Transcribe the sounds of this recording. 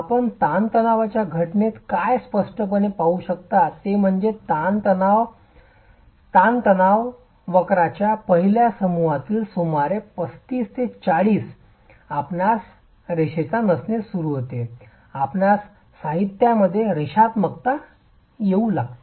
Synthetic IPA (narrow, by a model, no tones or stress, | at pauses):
apəɳt̪ant̪ənaʋat͡ɕjaɡʱəʈnet̪kajspəʂʈəp̬əɳepauɕək̚t̪at̪ːem̤əɳd͡zet̪ant̪ənaʋ | t̪ant̪ənaʋ | ʋəkɾat͡ɕjapəɦiljasəmuɦat̪iːlsumaɾepəst̪iːst̪et͡saɽiːs | apnas | ɾiɕet͡sanəsnesuɾuɦot̪e | apnasː | aɦit̪jaməd̪ʱːjeɾiɕat̪məkt̪a | jeulaɡt̪